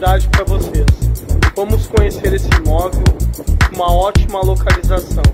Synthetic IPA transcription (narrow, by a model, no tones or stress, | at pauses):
d̪ad͡ʒɪpɾɐvosesvɐ̃mʊskõɲeseɾesɪmɔvewũmɐɔt͡ʃimɐlokalizasɐ̃w̃